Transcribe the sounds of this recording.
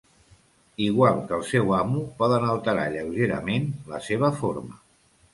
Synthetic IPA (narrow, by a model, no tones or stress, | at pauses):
iɣ̞walˠkəlˠsɛwamupɔðənəlˠt̪əɾa̰ʎəwʒeɾə̰menləseβ̞əfoɾmə̰